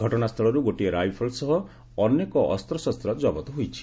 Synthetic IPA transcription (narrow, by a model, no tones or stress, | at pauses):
ɔʈɔnast̪ʰɔɭɔɾuɡoʈieɾajpʰɔlsɔɦɔ | ɔnekɔʔɔ̰st̪ɾɔsɔst̪ɾɔt̪d͡ʒɔbɔt̪ɔɦojt͡ʃʰi̥